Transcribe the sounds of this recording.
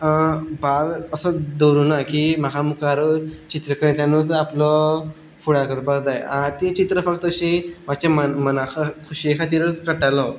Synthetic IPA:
baləsəd̪oɾunakimakamukaɾt͡ɕit̪ɾəkəɾet̪janut͡saplɔ | fuɽakəɾbəɾd̪ajãt̪it͡ɕit̪ɾəfək̚t̪əɕemat͡ɕaməmənakʰəkʰuɕiekʰat̪iɾət͡skəʈajla

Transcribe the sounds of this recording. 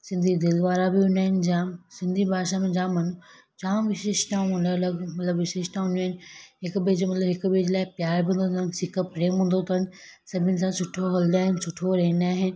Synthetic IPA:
sɪ̃nd̪ʱid̪ɪld̪ʋaːɾabɪũnaːɦɪnd͡ʑaːmsɪ̃nd̪ʱibʱaːʃamẽd͡ʑãːmɐnu | t͡ʃãːʋɪʃeːʃʈãːũũnalɐɡmɐt̪ləbʋɪʃeːʃʈãːnũaːɪnɪɦɪkbeːd͡ʑmɐt̪ləbɦɪkbeːd͡ʑlaːɪpjaːɾbʱiũnd̪ot̪ʰənsɪkəpɾeːmɦũːnd̪ot̪ʰan̆ | sɐbʱɪnɪ̆s̬ãsʊʈʰːoɦɐld̪aːɦɪnɪ̆sʊʈʰoɾɐɦɪnaːɦɪn̆

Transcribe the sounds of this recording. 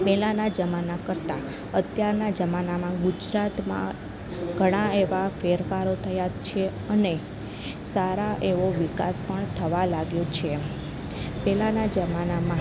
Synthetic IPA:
pɛlanad͡ʒəmanakəɾt̪a | ət̪jaɾnad͡ʒəmanamãɡud͡ʒɾat̪mã̰ | ɡʱəɽ̃aeʋafeɾfaɾot̪ʰəjat͡ʃʰe | əne | saɾaʔeʋoʋika̰spəɳt̪ʰəʋalaɡjot͡ʃʰe | pɛlanad͡ʒəmanamã

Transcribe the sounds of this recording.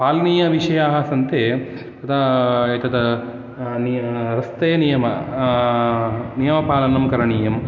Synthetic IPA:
paːlɐniːjɐʋiʂɐjaːɦɐsɐnt̪e | t̪ɐt̪ʰɐet̪ɐd̪ɐ | nɾɐst̪ejnijɐmɐ | nijɐmɐpaːlɐnɐmkɐɾɐɳiːjɐm

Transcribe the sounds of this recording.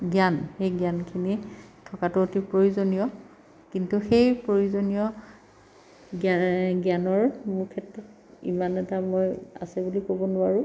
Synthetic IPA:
ɡjanxejɡjankʰinitʰɔkatʊotipɹojuzonijɔ | kintuxejpɹojuzonijɔ | ɡɡjanɔɹmʊɹkʰɛtɔt | ḭmanɛtamoja̰sɛbulikobɔnʊaɹʊ̃

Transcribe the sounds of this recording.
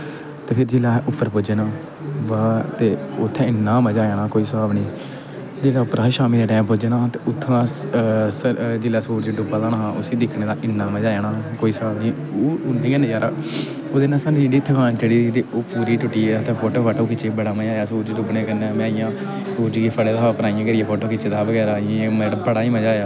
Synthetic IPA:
t̪eːpʰɪɾd͡ʒeːlaːɛʔʊpːəɾpoːd͡ʒeːnãː | ʋaːt̪eːʊt̪ʰːɛ̃ːɪnːãːməd͡ʒaːaːnaːkoːiːsbaːbnĩː | d͡ʒeːlaːʊpːəɾaːʃaːmĩːd̪aːʈaːmpoːd͡ʒeːnãːt̪eːʊt̪ʰːãːsəd͡ʒeːlaːsuːʈd͡ʒeːɖʊbaːd̪ãːãːɦãːʔʊsiːd̪ɪkʰnẽːd̪aːʔɪnːãːməd͡ʒaːaːnaːkoːiːsəbaːbnĩː | oːʊnĩːenəd͡ʒaːɾa̰ː | oːd̪eːnãːsaːnĩːɖiːt̪ʰːkʰãːnːt͡ʃəɽiːd̪iːt̪eːoːpuːɾiːʈʊʈːiːaːt̪epʰoːʈoːkʰaːʈoːkɪt͡ʃːeːbəɽaːməd͡ʒaːjaːsuːɾd͡ʒɖʊbnẽːkənːmaːɪjãː | suːɾd͡ʒɡeːpʰəɽeːd̪aːɦpəɾaːijãːkəɾɪjãːpʰoːʈoːkɪt͡ʃeːd̪aːbəɡɛːɾãːmabəɽaːiːməd͡ʒaːjaː

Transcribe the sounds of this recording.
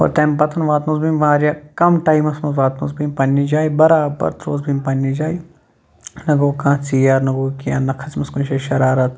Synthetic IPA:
o̰ːɾt̪eːmpɐt̪ʰɐnʋaːt̪nõːzbimʋãːɾjakɐmʈaːimɐsmɐzʋaːt̪no̰ːsbimpɐnːid͡ʒaːibɐɾaːbɐ̰ɾt̪ɾoːzbimpɐnːid͡ʒaːi | nɐɡoːkãːt͡siːjaːɾnɐɡoːkijaːnɐkʰɐsmɐskũnʃɐʃɐɾaːɾɐt̪

